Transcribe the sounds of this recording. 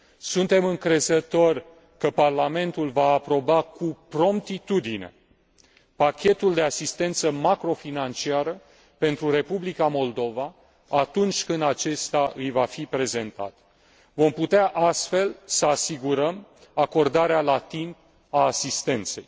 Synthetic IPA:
sunt̪e̞mɨŋkɾe̞zət̪o̞rʲ | kəparlame̞nt̪ulvaːpɾo̞bakupɾo̞mt̪it̪ud̪ine̞̰ | pakʲe̞t̪uld̪e̞asist̪e̞nt̪səmakɾo̞finant͡ʃiaɾə | pe̞nt̪ɾuɾe̞publikamo̞ld̪o̞va | at̪unt͡ʃʲkɨnd̪at͡ʃe̞st̪aʔɨjvafipɾe̞ze̞nt̪a̰t̪ | vo̞mput̪eaʔast̪fe̞lsəasiɡuɾəmako̞rd̪aɾealat̪imp̚ | aːsist̪e̞nt̪se̞̰j

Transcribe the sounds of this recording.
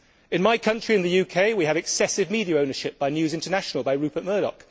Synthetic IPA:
ɪ̃nmaɪkʰʌ̃nt͡ʃɹ̥iɨ̃nðəjʉːkʰeɪwiəvɛksɛsɪvmiːdiəə̃ʊ̃nəʃɪp̚b̥aɪnjʉːzɪ̃ntənaʃənəlˠbaɪɹʉˑpəʔ̚mɜːɾɒ̰k

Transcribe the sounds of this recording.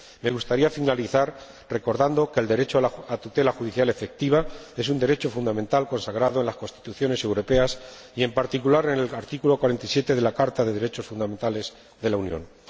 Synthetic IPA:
me̞ɣ̞ust̪aɾiafinaliθaɾ | re̞ko̞ɾðand̪oke̞ld̪e̞ɾe̞t͡ʃoalaat̪ut̪e̞laxuðiθjale̞fe̞k̚t̪iβ̞ae̞sund̪e̞ɾe̞t͡ʃo̞fund̪amẽnt̪alko̞nsaɣɾaðoe̞nlasko̞nst̪i̥t̪uθjo̞ne̞se̞wɾo̞peas | ie̞mpaɾt̪ikulaɾenelaɾt̪ikulo̞kwaɾe̞nt̪aisje̞t̪e̞ðe̞lakaɾt̪aðe̞ðe̞ɾe̞t͡ʃo̞sfund̪ament̪ale̞z | ðe̞launjõ̰n

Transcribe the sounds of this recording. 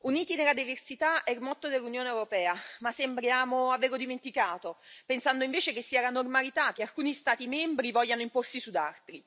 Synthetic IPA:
uniːt̪inelad̪iversit̪aʔɛlmɔt̪ːod̪elːunjoːneewɾopɛːamasembɾjaːmoaveːɾod̪iment̪ikaːt̪opensand̪oiɱveːt͡ʃekesːiːalanormalit̪ak̟ːealkuːnist̪aːt̪imɛmbɾivɔʎːanoimporsisud̪alt̪ɾi

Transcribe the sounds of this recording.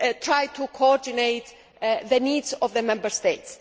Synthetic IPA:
t̪ʰɾaj̚t̪ʰukʰoɔɾd̪inejt̪ | ðəniːdzɔvðəmɛ̃mbəɾst̪et̪s

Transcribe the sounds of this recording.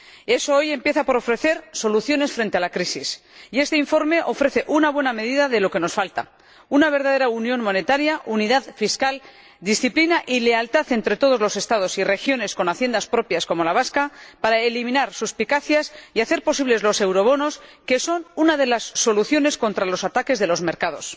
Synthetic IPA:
e̞so̞o̞je̞mpje̞θapo̞ɾo̞fɾe̞θe̞ɾso̞luθjo̞ne̞sfɾe̞nt̪e̞alakɾisis | ie̞st̪eiɱfo̞ɾme̞ʔo̞fɾe̞θe̞ʔunaβwe̞name̞ðiðaðe̞lo̞ke̞no̞sfalt̪a̰ | unaβ̞e̞ɾðað̞e̞ɾaunjõ̞nmo̞ne̞t̪aɾjaʔuniðaðfiskal | d̪isθiplinaʔile̞alt̪aθe̞nt̪ɾe̞t̪o̞ð̞o̞zlo̞se̞st̪að̞o̞sire̞xjo̞ne̞sko̞naθje̞nd̪aspɾo̞pjasko̞mo̞laβ̞askapaɾaelimĩnaɾsuspikaθjasiaθe̞ɾpo̞siβle̞zlo̞se̞wɾo̞β̞o̞no̞ske̞so̞nunaðe̞lasːo̞luθjo̞ne̞sko̞nt̪ɾalo̞sat̪ake̞zðe̞lo̞zme̞ɾkaðo̞s

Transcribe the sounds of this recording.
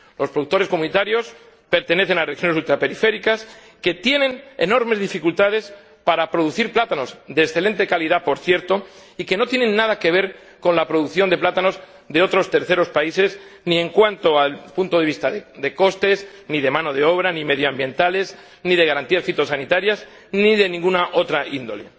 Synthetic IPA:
lo̞spɾoðuk̚t̪o̞ɾe̞skomũnit̪aɾjo̞s | pe̞ɾt̪e̞ne̞θenarexjo̞nes̬ult̪ɾape̞ɾife̞ɾikas | ke̞t̪je̞nẽ̞nḛno̞ɾme̞zðifikult̪að̞e̞s | paɾapɾo̞ð̞uθiɾplat̪ano̞zðeksθe̞le̞nt̪e̞kaliðapo̞ɾθje̞ɾt̪o̞ike̞no̞t̪je̞nẽ̞nːað̞ake̞β̞e̞ɾ | ko̞nlapɾo̞ðuθjo̞nd̪e̞plat̪ano̞z | ðe̞o̞t̪ɾo̞st̪e̞ɾθe̞ɾo̞spaise̞znĩe̞ŋkwant̪o̞alpunt̪o̞ð̞e̞βist̪aðed̪e̞ko̞st̪e̞zniðe̞mãno̞ðe̞o̞β̞ɾanimeð̞joambje̞nt̪ale̞z | nið̞e̞ɣaɾant̪iasfit̪o̞sanit̪aɾjaz | niðe̞nĩŋɡunaʔo̞t̪ɾaʔind̪o̞le̞

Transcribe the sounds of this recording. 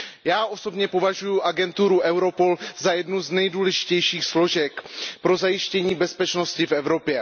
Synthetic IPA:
jaːʔo̞so̞bɲɛpo̞vaʒujuʔaɡɛnt̪uɾuʔɛwɾo̞po̞lzajɛdnuznɛjduːlɛʒɪ̥cɛjʃiːxslo̞ʒɛkpɾo̞zajɪʃcɛɲiːbɛspɛt͡ʃno̞scɪfɛvɾo̞pjɛ

